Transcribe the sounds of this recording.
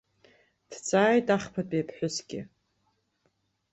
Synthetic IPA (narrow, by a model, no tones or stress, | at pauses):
d̥t͡sʼaːjtʼaχpʰatʼijpʰħʷᶣʊsɡʲɪ